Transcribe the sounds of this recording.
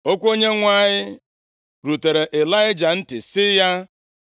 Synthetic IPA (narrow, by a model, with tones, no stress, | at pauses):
o˦kʷo˦ɲe˦ŋʷa˦˨ɲɪ˦ | ɾu˨te˨ɾe˨ʔe˨la˦ɪ˦d͡ʒa˨n̩˦tɪ˨sɪ˦ja˦